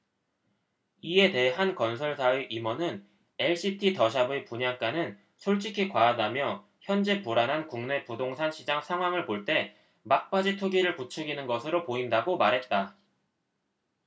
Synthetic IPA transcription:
ie̞te̞ɦankʌns̬ʰʌɭsʰaeʔimʌnɯn | eɭɕ͈itʰitʌɕ̬ʰabepuɲak͈anɯn | sʰoɭt͡ɕ͈ikʰikwaːdamjʌ | çjʌnd͡ʑe̞poɾanɦankuŋne̞pudoŋsʰanɕʰid͡ʑaŋsʰaŋɦwaŋɯɭpoɭt͈e̞ | mak̚p͈ad͡ʑitʰoɡiɾɯɭput͡ɕʰʌɡinɯnɡʌsʰɯɾopoindaɡomaɾɦe̞t̚t͈a

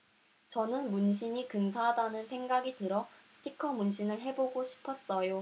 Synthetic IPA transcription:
t͡ɕʌnɯnmunɕʰiɲikɯnsʰadanɯnsʰe̞ŋɡaɡitɯɾʌsʰɯ̥tʰikʰʌmunɕʰinɯɭɦe̞boɡoɕʰi̥pʰʌs͈ʌjo

